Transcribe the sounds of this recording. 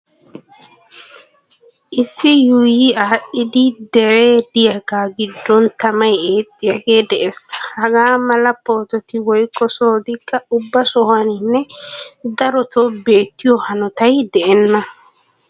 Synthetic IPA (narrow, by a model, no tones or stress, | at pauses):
ʔɪsːɪjujiaːʔɪd̪ɪd̪ɛɾeːd̪ɪjɐɡaːɡɪd̪ːɔnt̪ɐmɐjeːt̪ʼːɪjɐɡe̞ːd̪ɛʔɛsɐ̥hɐɡaːmɐlɐpːoːt̪ɔt̪ɪwɔjkːɔsoːd̪ɪkːɐʊbːɐsɔhanɪnːɛd̪ɐɾɔt̪obe̞ːt̪ːɪjɔhɐnɔt̪ɐjd̪ɛʔɛnːɐ